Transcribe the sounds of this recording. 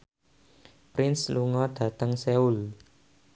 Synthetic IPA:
pɾɪnsluŋɔɖ̥ä̤t̪əŋseul

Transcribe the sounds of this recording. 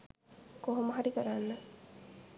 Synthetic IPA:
koɦoməɦaɾikəɾanːə

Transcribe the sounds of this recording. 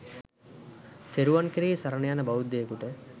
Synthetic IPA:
t̪ʰeɾuʋankiɾesaɾənejanəbaud̪ːejːkuʈə

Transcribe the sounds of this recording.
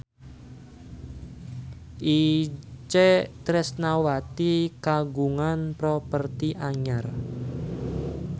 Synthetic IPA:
ʔit͡ʃɛt̪ɾɛsnawat̪ikaɡuŋanpɾɔpərt̪iʔaɲar

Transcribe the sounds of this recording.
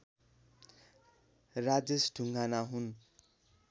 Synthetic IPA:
rad͡zesɖʱuŋɡanaɦun

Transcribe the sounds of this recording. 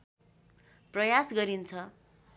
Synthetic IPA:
prʌjasɡʌɾint͡sʰʌ

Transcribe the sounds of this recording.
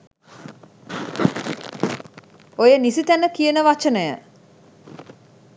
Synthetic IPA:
ojənisit̪ænəkijənəʋat͡ʃənəjə̰

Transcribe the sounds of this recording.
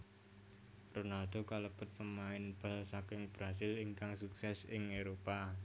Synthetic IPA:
ronald̪̥o̤kaləpʊt̪̚pəmaɪnb̥a̤lsakɪŋb̥ɾasɪliŋkaŋsuksɛsɪŋeɾopa

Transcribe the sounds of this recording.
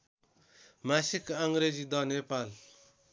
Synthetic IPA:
masikaŋɡɾed͡ʒid̪ʌnepal

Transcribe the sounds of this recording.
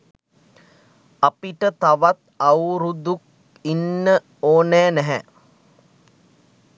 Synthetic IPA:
apiʈət̪aʋat̪awɾud̪uk̚ | inːə | oːnɛːnɛɦɛ̰

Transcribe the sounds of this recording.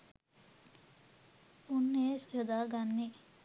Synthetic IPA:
unːeːsjod̪aɡanːi

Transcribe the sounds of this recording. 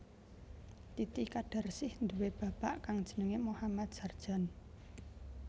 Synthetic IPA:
t̪it̪ikaɖ̥a̤rsɪhnd̪uweb̥ä̤b̥aʔkaŋd̥ʒ̥ə̤nəŋemohamat̪̚ʒ̥a̤rd̥ʒ̥a̤n

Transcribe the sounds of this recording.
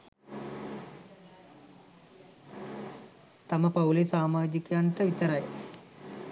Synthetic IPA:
t̪aməpaulesaːmaːd͡ʒikəjaɳʈəʋit̪əɾaj

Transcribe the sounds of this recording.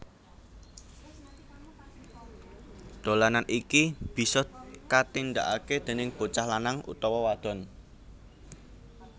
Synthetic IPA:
ɖ̪̥o̤lananʔikib̥i̤sɔkat̪ind̪a̰ʔaked̪̥e̤nɪŋb̥ot͡ʃahlanaŋʔṵt̪ɔwɔwad̪̥ɔ̤n

